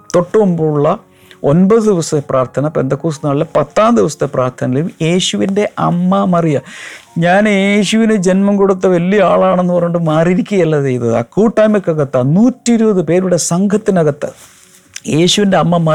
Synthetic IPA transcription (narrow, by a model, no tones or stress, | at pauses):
t̪o̞ʈːɐumbuɭːɐ | o̞nbɐðɨd̪iʋɐsɐt̪ːepraːrt̪ʰɐnɐpe̞̰nd̪ɐkːuːsnaːɭilɐpɐt̪ːaːnd̪iʋɐsɐ̥t̪ːepraːrt̪ʰɐnɐlilumje̞ːɕuʋinde̞ʔɐmːɐmɐrijɐɲaːnjeːɕuʋined͡ʑe̞nmɐmkoɽut̪ːɐʋɐlːijɐaːɭaːɳe̞nːɨpɐrɐjuɳɖɨmaːriɾikʲːuɣɐɐlːɐt͡ɕejnːɐðɨɐ̰kuːʈːaːjmɐkːɐɣɐt̪ːɐnuːtːiɾubɐðɨpe̞ːɾuɽe̞sɐŋɡʰʱɐt̪ːinɐɣɐt̪ːɐ̰ | je̞ːɕuʋinde̞ɐmːɐmɐ